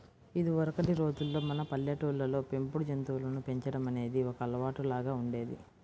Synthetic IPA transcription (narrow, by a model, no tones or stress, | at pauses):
id̪iɔɾɐkɐʈiɾo̞ːd͡ʒulːo̞ːmɐnɐpɐljɐʈuːlːɐlo̞ːpe̞mpuɽud͡ʒɐnt̪uːlɐnupe̞ɲt͡ʃɐɽɐmɐne̞ːd̪iɔkɐɐlɐʋaːʈulaːɡaːuɳɖe̞ːd̪ḭ